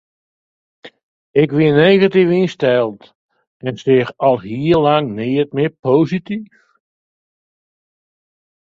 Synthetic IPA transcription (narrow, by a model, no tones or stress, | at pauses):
ɪkʋineɣatifinstɛlˠt | ɛnsɪxɔlˠɦiəlaŋnɪːət̚mɪpoːzitif